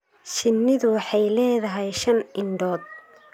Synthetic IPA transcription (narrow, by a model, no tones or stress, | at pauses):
ʃɪnːɪðʊwħɑjlɛːðɐɦɛjʃɐnʔɪɳɖɔːd̪̚